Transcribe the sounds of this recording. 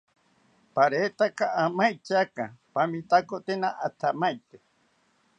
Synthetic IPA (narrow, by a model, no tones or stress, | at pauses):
paɾet̪akaʔamajt͡ʃakapamĩt̪akot̪enãʔat̪ʰamajt̪e